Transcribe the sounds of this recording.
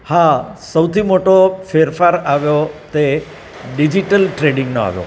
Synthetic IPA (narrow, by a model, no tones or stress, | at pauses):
hasəwt̪ʰimoʈofeɾfaɾaʋjot̪e | ɖid͡ʒiʈəlʈɾeɖɪŋɡnoa̰ʋjo̰